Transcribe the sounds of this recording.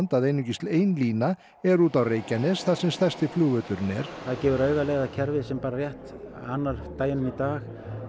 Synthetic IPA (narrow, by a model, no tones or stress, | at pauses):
nt̪aðejnʏcist̪leːjnliːna | ɛɾuːt̪awreːjcanɛsθaðsɛmst̪ɛst̪ɪfluːvœːt̪ʏɾʏnɛ̰ɾ̥θaðcɛːvʏɾœːɥɣalɛːɣacʰɛɾvɪsɛmpaːɾarjɛht̪ | anːaɾ̥t̪aːjɪnʏmit̪aːx